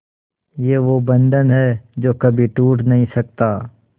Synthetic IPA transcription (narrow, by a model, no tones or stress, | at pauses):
jeːʋobɐ̃nɖ̪ənɦɛːd͡ʒoːkɐbʱiʈuːʈnɐɦĩsɐk̚t̪aː